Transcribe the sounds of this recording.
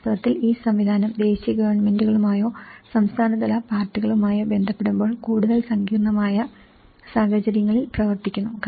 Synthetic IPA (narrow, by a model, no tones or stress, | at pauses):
t̪ɐʋɐt̪ːiliːsɐmʋid̪ʱaːnɐmd̪e̞ːɕijɐɡɐʋɐrɳme̞nduɣɐɭumaːjo̞ːsɐmst̪ʰaːnɐd̪ɐlɐpaːrtːiɣɐɭumaːjoːbe̞nd̪ʱɐpːe̞ɽumbo̞ːɭkuːɽuðɐlsɐŋɡiːrɳɐmaːjɐ | saːhɐt͡ɕɐɾjɐŋːɐɭilprɐʋɐrt̪ikʲːunːuk